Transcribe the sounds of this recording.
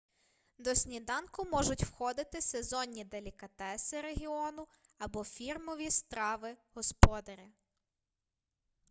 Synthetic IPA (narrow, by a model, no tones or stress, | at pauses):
d̪ɔsʲnʲid̪ɑnkʊmɔʒʊtʲwxɔd̪ɪt̪ɪsezɔnʲːid̪elʲɪkɐt̪ɛsɪɾeɦʲiɔnʊɐbɔfʲirmɔʋʲist̪ɾɑʋɪɦɔspɔd̪ɐɾʲɐ